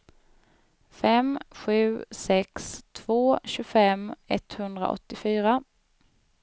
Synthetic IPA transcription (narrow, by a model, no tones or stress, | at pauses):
fɛmɧʉ̟ːsɛkst̪ʰvoːɕɵfɛmɛt̪hɵnd̪ɾa̰ʔɔ̰t̪ːɪfyːɾa